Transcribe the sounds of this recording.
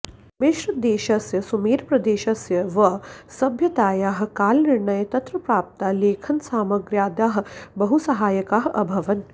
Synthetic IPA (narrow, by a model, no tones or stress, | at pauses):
meʃɾɐd̪eːʃɐsjɐsumeːɾpɾɐd̪eːʃɐsjɐʋɐsɐbʱjɐt̪aːjaːɦkaːlnɪɾɳɐjɐt̪ɐt̪ɾɐpɾaːp̚t̪aːleːkʰɐnsaːmɐɡɾjaːd̪aːɦbɐɦusɐɦaːjɐkaːɦʔɐ̰bʱɐʋɐn